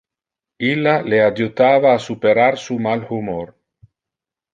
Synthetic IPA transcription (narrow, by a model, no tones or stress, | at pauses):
ilalead͡ʒut̪aβaːsupeɾaɾsumalhumoɾ